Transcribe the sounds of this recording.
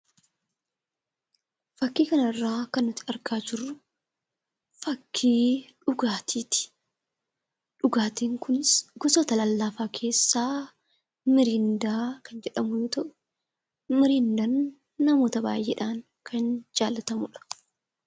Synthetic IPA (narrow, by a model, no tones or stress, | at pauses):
fɐkːiːkɐnɐrːaːkɐnːʊt̪ːɪɐɾkaːd͡ʒɪrːʊ | fɐkːiːᶑʊɡaːt̪ʰiːt̪ɪ̥ | ᶑʊɡaːt̪eːŋkʊnɪsɡɔsoːt̪ɐlɐlːaːfaːkʰe̞ːsːaː | mɪɾiːnd̪aːkɐnd͡ʒɛᶑɐmʊjoːt̪ɐʔʊ̥ | mɪɾiːnd̪ɐnː | ɐmo̞ːt̪ɐba̰ːjʔeːᶑaːŋ | kʰɐnd͡ʒaːlːɐt̪ɐmʊᶑɐ̥